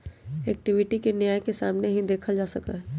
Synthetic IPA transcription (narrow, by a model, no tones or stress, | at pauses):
ɛːk̚ʈɪʋɪʈikenjaːjkesaːmneɦĩd̪eːkʰad͡ʒaːsɐka̰ɦɛ